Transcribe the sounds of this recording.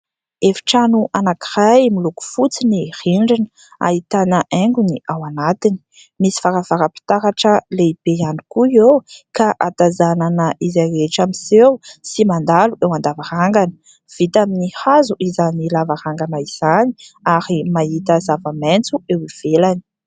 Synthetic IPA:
efi̥ʈ͡ʂanuʔanakirajmiluku̥fut͡siniriɳɖ͡ʐinə | a̰it̪anəʔɛŋɡuniʔawanat̪ini̥ | misi̥faɾav̥aɾəpi̥t̪aɾaʈ͡ʂəleib̥eanikuiewkaʔat̪azananəizajɾeʈ͡ʂamisewsimand̪aluʔewand̪avaɾaŋɡanə̥ | v̥it̪aminihazuʔizanilavaɾaŋɡanaiz̥aniaɾimait̪əzavament͡suewiv̥elani̥

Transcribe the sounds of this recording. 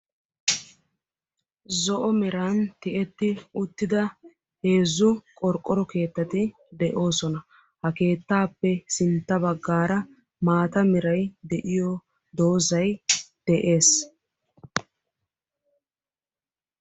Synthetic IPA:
zɔʔɔmɪɾant̪ɪʔɛt̪ːɪʊt̪ːɪd̪ɐ | he̞ːzːʊkʼɔɾkʼːɔɾɔke̞ːt̪ːɐt̪ɪ | d̪ɛʔo̞ːsɔnɐ | hɐke̞ːt̪ːaːpːɛsɪnt̪ːɐbɐɡːaːɾɐ | maːt̪ɐmɪɾɐjd̪ɛʔɪjɔ | d̪o̞ːzɐjd̪̥ɛʔe̞ːs

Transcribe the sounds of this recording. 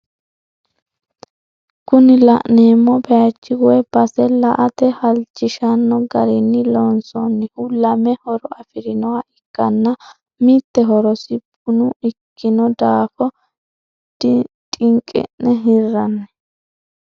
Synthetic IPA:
kʊnɪlɐʔneːmːɔbɛjat͡ʃːɪɡʊɛb̥ɐsɛlɐʔɐt̪ɛhɐlt͡ʃːɪʃɐnːɔɡɐɾɪnːɪlɔnsɔnːɛhʊlɐmɛhɔɾɔɐfɪɾɪnɔwaɪkːɐnːɐ | mit̪ːɛɦɔɾɔsɪbʊnʊɪkːɪnɔd̪aːfɔ | t̪ʼɪŋkʼɛ̰nnɛɦɪrːɐnːɛ

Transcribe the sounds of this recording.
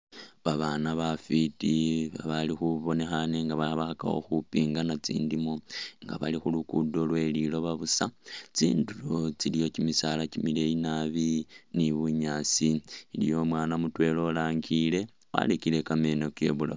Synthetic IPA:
βaβanaβafitiβaβalixuβo̞ne̞xane̞ŋɡaβaβaxaka̰xo̞̰xupiːŋɡanat͡sḭːndimoŋɡa̰βalixulukudo̞lwe̞lilo̞βaβusat͡sḭːnduɾot͡silijo̞cimisalacimile̞inaβiniβuɲaːt͡silḭjo̞mwaːnamutwe̞lo̞ːlaːŋɡile̞ | wa̰lekile̞kame̞no̞ke̞̰βula̰

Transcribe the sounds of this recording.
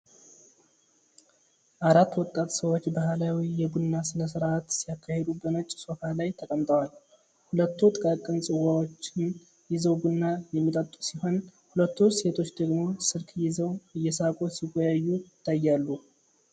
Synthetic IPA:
ʔaɾat̪ːwɔt̪ʼːat̪səwo̞t͡ʃːbahlawijɛɡunːasɨləsɨɾat̪sijakʰːahed̪ubəmət͡ʃʼːso̞falajt̪ʰəkʼəmt̪ʼəwal | hulət̪ːut̪ʼɨkʼakʼɨnsʼɨwawot͡ʃːɪn | jɪzəwɡunːajɛmːit̪ʼət̪ʼːusiho̞nhulət̪ːuse̞t̪ʰo̞t͡ʃːd̪əɡmo̞sɨɾkʰjɪzəwɨjːɛsakʼosiɡʷojajːuɪt̪ʰːajːalːu

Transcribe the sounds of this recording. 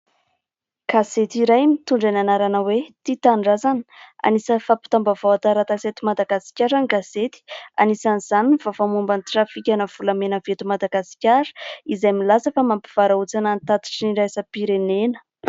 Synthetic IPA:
ɡ̥aset̪iɾajmit̪uɳɖ͡ʐananaɾanəwet̪it̪aɳɖ͡ʐazani̥a̰nisəfapi̥t̪ambavawat̪aɾat̪aset̪imad̪aɡasi̥kʲaɾaniɡaset̪i̥a̰nisaniz̥aninifafamumbant̪iʈ͡ʂafikʲanəv̥ulamenəvet̪umad̪aɡasi̥kʲaɾə̥izajmilasəfamampi̥v̥aɾaut͡sanant̪at̪i̥ʈ͡ʂiniɾajsəpiɾenenə̥

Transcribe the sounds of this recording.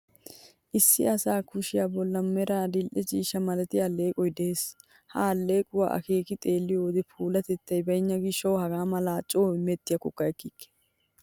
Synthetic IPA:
ʔɪsːɪ̰ɐsaːkʰʊʃɪjabɔlːɐmɛɾaːd̪ɪlʔɛt͡ʃiːʃɐmɐlɛt̪ɪjɐlːeːkʼɔjd̪eːs | halːe̞ːkʼʊwa̰ʔɐ̰keːkɪt̪ʼe̞ːlːɪjod̪ɪpʰuːlɐt̪ɛt̪ːɐjbɐjɲːɐɡɪʃːɐwhɐɡaːmɐlaːt͡ʃʼoːmɛt̪ːɪjɐkɔkːɐjɛkːikːɛ̥

